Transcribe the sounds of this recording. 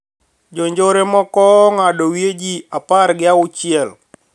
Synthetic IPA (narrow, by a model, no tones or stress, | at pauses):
d͡ʒoɲd͡ʒoɾemɔkɔŋadɔwjed͡ʒiapaɾɡɪaʊt͡ʃɪɛl